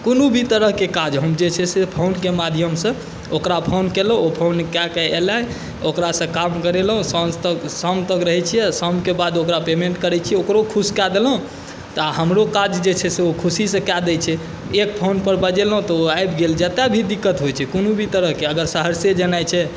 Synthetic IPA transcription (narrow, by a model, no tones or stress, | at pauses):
konubʱit̪əɾəɦkekad͡ʒɦəmd͡ʒet͡ʃʰɛsepʰonkemad̪ʱijəmsə̃ | okɾapʰonkelɦopʰonkakɛlaj | okɾasə̃kamkəɾelɦũsət̪əɡsəmt̪əɡɾəɦɛt͡ʃʰijɛsəmkebad̪okɾapemeɳʈkəɾɛt͡ʃʰiɛokɾokʰuskad̪elɦũ | t̪ɔaɦəmɾokad͡ʒd͡ʒet͡ʃʰɛseokʰusisə̃kad̪ɛjt͡ʃʰɛ | ekpʰonpəɾbəd͡ʒelɦũt̪ɔoajbɡeld͡ʒɛt̪abʱid̪ikːət̪ɦojt͡ʃʰɛkonubʱit̪əɾəɦkeəɡəɾsəɦəɾsed͡ʒənajt͡ʃʰɛ